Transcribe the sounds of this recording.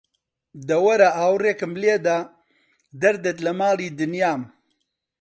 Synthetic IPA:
d̪ɐwɐɾɐʔaːwreːkɨmleːd̪a | d̪ɐɾd̪et̪lɐmaːliːd̪ɨnjaːm

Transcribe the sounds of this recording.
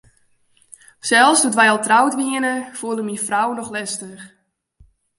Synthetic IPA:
sɛlˠfsdutʋɛjɔlˠtrawtʋiənəfuəlˠəmifrawnɔxlɛstəx

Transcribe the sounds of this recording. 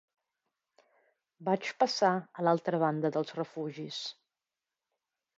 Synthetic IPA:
bat͡ʃpəsaəlalˠt̪ɾəβ̞and̪əðəlˠzrəfuʒis

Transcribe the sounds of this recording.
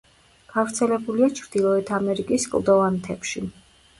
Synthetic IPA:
ɡ̥avɾt̪sʰɛlɛbuliat͡ʃʰɾd̪̥ilˠɔɛt̪ʰamɛɾikʼiskʼlˠd̪ɔvant̪ʰɛpʃi

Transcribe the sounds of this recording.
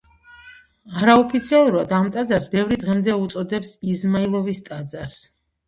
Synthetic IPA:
aɾaɔpʰit̪sʰialˠuɾuad̪amt̪ʼad̪zaɾsbɛvɾid̪ʁɛmd̪ɛut̪sʼɔd̪ɛpsizmailˠɔvist̪ʼad̪zaɾs

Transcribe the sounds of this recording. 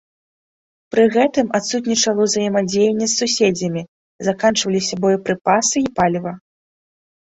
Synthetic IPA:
pɾɨɣɛt̪ɨmat̪sut̪nʲit͡ʂɐlˠɐwzɐjɛmad͡zʲejɛnʲːɛsːusʲed͡zʲɐmʲi | zakant͡ʂvɐlʲisʲɐbɔjipɾɨpasɨipalʲvɐ

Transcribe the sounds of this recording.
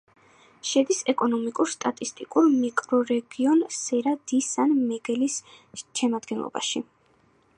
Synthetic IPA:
ʃɛd̪isɛkʼɔnɔmikʼuɾst̪ʼat̪ʼist̪ʼikʼuɾmikʼɾɔɾɛɡiɔnsɛɾad̪isanmɛɡɛlis | ʃɛmad̪ɡɛnlˠɔ̰ba̰ʃi

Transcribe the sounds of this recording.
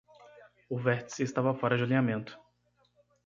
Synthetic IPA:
ʊvɛɾt͡ʃ̪ɪ̥sest̪avɐfɔɾɐd͡ʒɪalĩamẽnt̪ʊ̥

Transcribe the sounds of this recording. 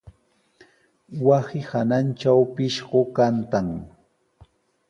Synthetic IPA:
wasɪhanant͡ʃawpɪʃɢokant̪aŋ

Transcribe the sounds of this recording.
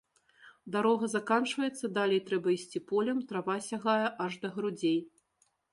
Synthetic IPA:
d̪aɾɔɣɐzakant͡ʂvɐjɛt̪sːɐd̪alʲejt̪ɾɛbɐisʲt͡sʲipɔlʲɐmt̪ɾavasʲaɣajɐʔɐʐd̪ɐɣɾud͡zʲej

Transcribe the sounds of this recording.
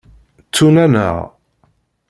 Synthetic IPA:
t͡sːunænə̰ʁ

